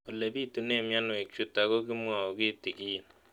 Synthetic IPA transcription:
o˨le˨bi˦tu˨˦ne˦˨mja˦n˨e˨kt͡ʃu˨ta˨ko˦ki˦mwa˨o˨ki˦ti˨ki˦i˨n

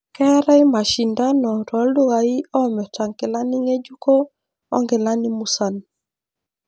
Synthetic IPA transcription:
kɛ˦ɾa˦i˦ma˨ʃi˨nda˦nɔ˨ɾɔ˨˦lu˦ɣa˨i˦ɔ˦mɛ˨ta˨ŋke˨la˦ni˦ŋe˦d͡ʒu˦ko˦ | ɔ̰˦ŋɡe˨la˦ni˦mu˦sa˨n

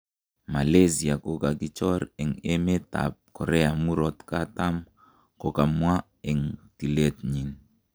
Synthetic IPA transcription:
ma˨le˦si˨a˨ko˦ka˨ki˦t͡ʃɔ˦ɾɛ˨ŋe˦me˦t̪a̰˨p̚kɔ˨ɾɛ˦a˨mu˦ɾɔ˦t̪ka˦ta˦m | ko˦ka˨mwa˦ | e˨ŋti˨le˦t̪ɲi˨n

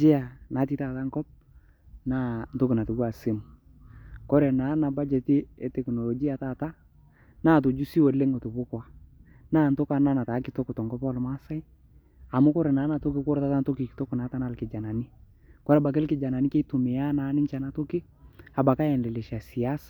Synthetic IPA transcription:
d͡ʒɪ˦a˨na˨˦ti˦ta˨ta˦ŋkɔ˦p̚ | na˦nto˦kɪ˨na˨tu˨ɡu˦a˨sɪ˦mʊ˨ | kɔ˦ɾɛ˨na˨˦na˨ba˦d͡ʒɛ˨tɪ˦ɛ˦tɛ˨kno˨lo˨d͡ʒi˦a˨ta˦˨ta˦ | na˦˨t̬o˨d͡ʒu˦si˦wo˨le˦ŋo˨tʊ˨bʊ˦kwa˨ | naː˦˨nto˦ka˦na˦na˨taː˨˦kɪ˨to˦kʊ˨tɔ˨ŋkɔ˦pɔ˦lma˦sa˦j | a˨mʊ˦kɔ˦ɾɛ˨naː˨˦na˨to˦kɪ˦kʊ˦ɾta˦ta˦nto˦kɪ˨kɪ̥˨to˦kʊ˨na˨˦ta˦na˦˨lkɪ˨d͡ʒa˨na˨nɪ˦ | kɔ˦ɾɛ˨ba˨k̬ɪ˦lkɪ˨d͡ʒa˨na˨nɪ˦ke˦tu˨mɪ˨ja˦na˨˦nɪ˦nt͡ʃa˨na˦to˦kɪ˦ | a˨ba˨ka˦jɛ˨nlɛ˨lɪ˨ʃa˨si˨a˦sa˨

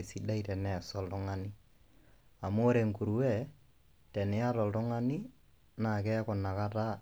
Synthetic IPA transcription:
si˨da˦itɛ˨nɛ˨sɔ˦ltʊ˦ŋa˦nɪ˦ | a˨mʊ˦ɾe˨ŋku˨ɾu˦wɛ˦˨ | tɛ˨nɪ˨a˦tɔ˨ltʊ˦ŋa˦ni˦ | na˨kɛ˦kʊ˨na˨ka˦ta˦

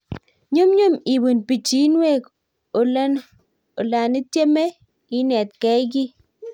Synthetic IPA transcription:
ɲu˦mɲu˦mi˨bu˨npi˨t͡ʃi˦nwe˦˨k | o˨ln | o˨la˨ni˦tje˦me˦ | i˦nɛ˨t̚kɛ˦jk̬i˦

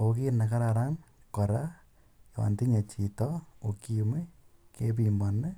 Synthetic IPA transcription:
oki˦na˨ka˦ɾaɾa˦ŋ | ko˨ɾa | ja˨wa̰˨nti˦ɲa˨t͡ʃi˨tɔo˨ki˦mi˦ke˦pimbo˨ne˦

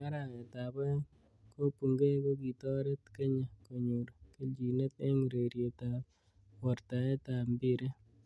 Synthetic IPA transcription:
a˦ɾa˨e˨ta˨bɔ˦ | ko˦pu˨ŋɡe˦ko˦ki˨tɔ˦ɾe˦tke˦ɲa˨ko˨ɲu˨ɾke˦i˨ne˦te˦ŋ˨ɾe˨ɾje˨ta˨ | wɔ˨ɾta˨ɛ˦ta˨mbɪ˦ɾe˦

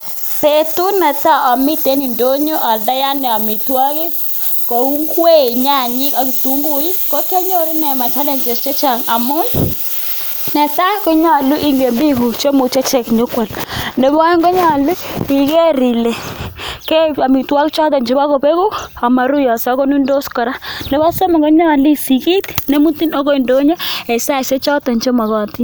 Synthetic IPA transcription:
pe˨tu˦nɛ˨ta˦ʔɔ˨mɪ˦te˦ni˨ndo˦ɲo˦ʔa˨lda˦ja˦nɛ˨a˨mi˨twa˦kɪ˦ | ko˨u˦ŋkwe˦˨ɲa˦˨ɲɪ˦ka˨ki˨tu˨˦ŋɡu˨˦ji˦ko˦ke˦ɲo˦˨ɾi˦nɛ˨ma˨t͡ʃa˦le˨ɲt͡ʃe˨st͡ʃe˦t͡ʃa˨ŋa˨mʊ˦j | nɛ˨ta˦ko˦ɲa˦˨lʊ˦ʔi˦ŋɡe˨mbi˦ku˨t͡ʃo˦mu˨t͡ʃe˦t͡ʃɛ˨kɲo˦kwa˨lne˨ba˦ŋɡo˦ɲa˦˨lu˦i˨ke˦ɾi˨le˨ke˦a˨mi˨twa˦kt͡ʃɔ˦t̬ɔ˨ɲd͡ʒe˦ba˦ko˨pe˦ku˦a˨ma˨ɾu˦ja˨sa˨˦ko˦nu˦ndo˦skɔ˨ɾa˦nde˨βa˦so˦ma˨ɡo˦ɲa˦˨li˦si˨ki˦tne˦mu˦ti˦no˦ko˦i˨ndo˦ɲe˦e˨sa˦se˦t͡ʃɔ˦tɔ˨ɲt͡ʃo˦ma˨kɔ˨ti˦

